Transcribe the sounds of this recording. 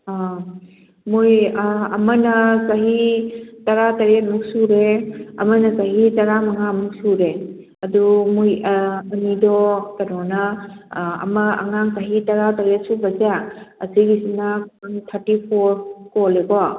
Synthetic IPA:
a | mujɐmɐnɐsaɦitaɾataɾemuk̚suɾeɐ̰mɐnɐsaɦitaɾamaŋamuk̚suɾe | ɐdumujɐnidɔtɐɾɔna | ɐ̰mɐɐ̰ŋaŋsaɦitaɾataɾesubɐzaːsiɡisinantʰaɾtipʰoɾkɔleɡɔ

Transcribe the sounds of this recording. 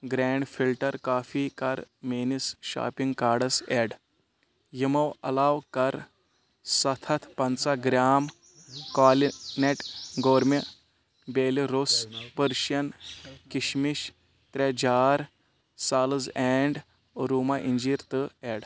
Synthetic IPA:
ɡɾeːɳɖfʰilʈɐɾkaːfiːkɐɾmeːnisʃa̰ːpiŋɡkaːɖɐseɽ | jimɐwɐ̰laːwkɐɾ | sɐt̪ʰɐt̪ʰpɐnt͡saɡɾʲaːm | kaːlneʈɡoːɾmɐ | beːliɾospəɾʃɐnkiɕmiʃ | t̪ɾʲed͡ʒaːɾ | saːlɨzeːɳɖ | ɾuːmaʔiɲd͡ʒiːɾt̪ɨeɽ

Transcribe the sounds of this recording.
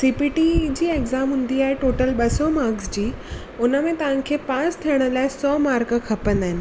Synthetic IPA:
sipiʈid͡ʑiːekzamɦʊnd̪iaːɦeʈoːʈəlɓɐsomaːɡzd͡ʑiː | ʊnəmẽt̪ɐʋ̤ãŋkʰepãst̪ʰiɽ̃əlaesɔːmaːɾkakʰɐpə̃nd̪aːɦɪnɪ̆

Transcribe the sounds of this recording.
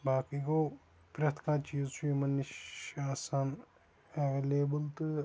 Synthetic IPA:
baːkiɡoː | pɾɐt̪ʰkãːt͡ʃiːzt͡ʃʰːmɐnːiʃaːsan | eɡeleːbult̪ɨ

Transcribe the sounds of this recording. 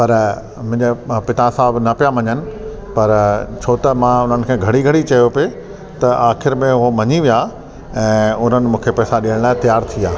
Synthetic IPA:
pɐɾ | mʊ̃ɦɪ̃ɲd͡ʑepɪt̪asaːəbnɐpijaʋɐɲənɪ̆ | pɐɾt͡ɕʰoːt̪ɐmãʊn̤ənɪ̆kʰẽːɡʱɐɽiɡʱɐɽit͡ɕɐjope | t̪ɐaːxɪɾmẽʊɦomɐɲiʋijaː | ɛ̃ːʊn̤ənɪ̆mũːkʰepɛːsaɗijəɽ̃laːɪt̪ɐjaːɾt̪ʰiaː

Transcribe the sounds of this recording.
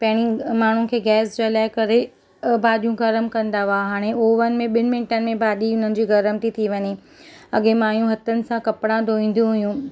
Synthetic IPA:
pɐ̃ɦɪɽ̃ĩmaːn̤ũ̆kʰeːɡɛːsd͡ʑolaːɪkɐɾe | bʱaːɗijũɡɐɾəmkɐ̃nd̪aʋaɦaːɽ̃eʔoːʋənɪ̆mẽɓɪnɪ̆mɪ̃nɪʈənɪ̆mẽbʱaːɗiʊn̤ənɪ̆d͡ʑiːɡɐɾəmt̪ʰit̪ʰiʋɐɲe | ɐɠemaːjũɦɐt̪ənɪ̆sãkɐpɽ̃ãd̪oĩːn̆d̪ũɦʊjũ

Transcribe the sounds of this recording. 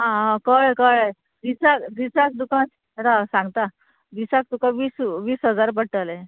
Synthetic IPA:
ãkəɭkəɭ | d̪isakd̪isak̚d̪ukã | ɾasãŋɡt̪a | d̪isak̚t̪ukãʋiːsʋiːsɦəd͡zaɾpəɽʈəle

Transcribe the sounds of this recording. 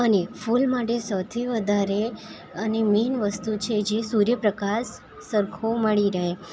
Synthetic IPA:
ənefulmaʈ̬esəwt̪ʰiʋəd̪ʱaɾe | əneminʋəst̪ut͡ʃʰed͡ʒesuɾjəpɾəkaʃː | əɾkʰoməɭiɾəɦe

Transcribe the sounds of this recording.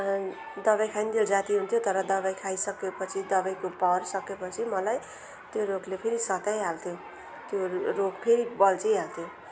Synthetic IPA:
d̪ʌβajkʰajnt̪eld͡zat̪iɦunt̪ʰjot̪ʌɾʌd̪ʌbajkʰajsʌkepʌt͡sʰid̪ʌβajkopʌrsʌkepʌt͡sʰimʌlaj | t̪joɾoɡlepʰeɾisʌt̪ʌjɦalt̪ʰjo | t̪jorokpʰeɾibʌlt͡siɦalt̪ʰjo

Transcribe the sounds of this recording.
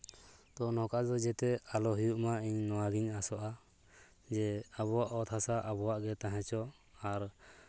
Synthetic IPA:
t̪ɔʔnɔkad͡ʒɔd͡ʒɛt̪ɛalɔɦijuʔmaiɲnɔwaɡiɲasɔʔa | d͡ʒɛaβɔwaʔɔt̪ʰasaʔabɔwaʔɡɛt̪ãɦɛ̃t͡ʃɔ | aɾ

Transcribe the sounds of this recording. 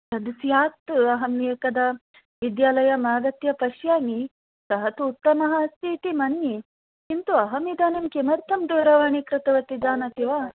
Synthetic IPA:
sɐd̪isjaːt̪ɐɦɐmnijɐkɐd̪ɐ | ʋid̪jaːlɐjɐmaːɡɐt̪jɐpɐʃjaːni | sɐɦɐt̪uːt̪ːɐmɐɦɐst̪it̪imɐnːi | kint̪uɐɦɐmid̪aːnɐmkimɐɾt̪ʰɐmd̪uːɾɐʋaːɳikɾɪt̪ɐʋɐt̪id͡ʒ̪aːnɐt̪iʋaː

